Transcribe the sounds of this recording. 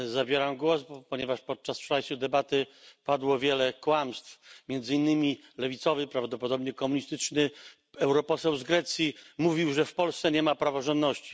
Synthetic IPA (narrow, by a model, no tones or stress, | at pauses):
zabʲjɛɾamɡwɔspɔɲɛvaʂpɔt̪̚t͡ʂaspʂajsud̪ɛbat̪ɘpad̪wɔvʲjɛlɛkwamst̪fmʲjɛnd̪zɘinːɘmʲi | lɛvʲit̪sɔvɘpɾavd̪ɔpɔd̪ɔbɲɛkɔmuɲist̪ɘt͡ʂnɘ | ɛwɾɔpɔsɛwzɡɾɛt̪sʲjimuvʲiwʐɛfpɔlst̪sɛɲɛmapɾavɔʐɔnd̪nɔɕt͡ɕi̥